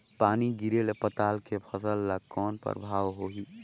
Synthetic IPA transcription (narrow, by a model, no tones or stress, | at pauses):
paːniɡiɾelepət̪aːlkepʰəsəlːakɔːnpə̰ɾbʱaːʋɦoɦiː